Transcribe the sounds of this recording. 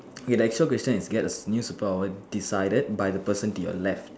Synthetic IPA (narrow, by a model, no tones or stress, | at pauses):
kɛdəɛk̚t͡ʃuəlkɹɛst͡ʃə̃nisɡɛtəsnjusupɔawədisajdəd̚bajdəpəsə̃ntujɔ̰lɛft̚